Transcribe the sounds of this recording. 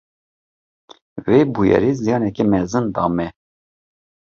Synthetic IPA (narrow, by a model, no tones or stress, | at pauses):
veːbujɛ̰ɾiːzijɑːnɛkɛmɛzɨnd̪ɑːmɛ